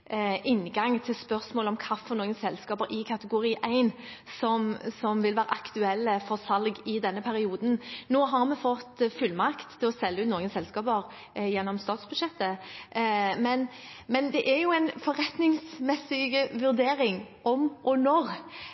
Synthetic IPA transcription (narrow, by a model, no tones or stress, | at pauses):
ʔɪnːɡɑŋt̪ʰɪlspœʁsmoːlɔmkʰɑfɔʁnoːɡənsɛlskɑːpəɾɪkʰɑt̪əɡʊɾiːʔæɪn | sɔmsɔmʋɪlʋæːɾə̰ʔɑkt̪ʉɛlːəfɔɾsɑlɡɪd̪ɛnːəpʰæɾɪuːd̪n̩noːɦɑɾmɛfɔt̪ːfʉlːmɑkt̪ʰːɪlɔsɛlːəʉːt̪noːɡənsɛlskɑːbəɾ | jɛnːɔmst̪ɑːt̪sbʉʃɛt̪ːə | mɛn | mɛnd̪ɛʔæɾjʊæɪnfɔɾɛt̪nɪŋsmɛsɪɡəʋʉɾd̪eːɾɪŋ | ɔmʔɔnɔʁ